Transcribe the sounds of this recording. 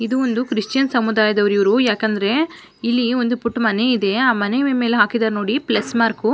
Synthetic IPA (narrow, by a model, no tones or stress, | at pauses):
id̪uond̪ukɾiʂt͡ʃjɐnsɐmud̪aːjɐd̪ɐʋɐɾiʋɐɾujaːkɐnd̪ɐɾe̞ | ilːiond̪upuʈːumɐneid̪e̞aːmɐneme̞ːleɦaːkid̪aːɾno̞ːɽiplɐsmaːɾku